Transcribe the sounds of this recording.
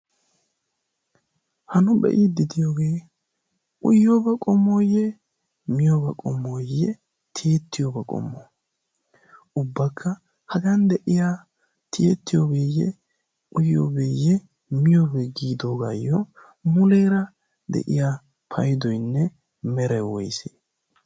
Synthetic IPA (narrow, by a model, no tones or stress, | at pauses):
hɐnʊbɛ̰ʔɪd̪ɪd̪ɪjoːɡe̞ː | ʔʊjːoːbɐkʼɔmːoːjːɛ | mɪjoːbɐkʼɔmːoːjːɛ | t̪ʰeːt̪ːɪjobɐkʼɔ̰mːo̰ː | ʊbːɐkʰːɐ | hɐɡɐnd̪ɛʔɪjaː | t̪ʰɪjet̪ːɪjoːbeːjːɛ̰ | ʔʊjːo̰ːbeːjːɛ | mɪjoːbɛɡiːd̪o̞ːɡajːɔ | mʊleːɾɐ | d̪ɛ̰ʔɪjaː | pʰɐjd̪ɔjnːɛ | mɛɾɛwɔjsḛː